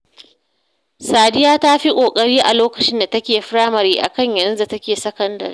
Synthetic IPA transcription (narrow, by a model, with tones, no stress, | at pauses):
saː˨dɪ˦jaː˦ta˦ɸi˦kʷʼoː˨kʼɐ˦ɽiː˦ʔa̰˨loː˦kɐ̥˨t͡ʃɪ˦nda˨tɐ˦kʲeː˨ɸɽaː˦mɐ˨ɾiː˦ʔa̰˨kɐ˦˨ɲjɐ˨nzu˦za˨tɐ˦kʲeː˨sɐ˦kɐ˦ndɐ̰˨ɾ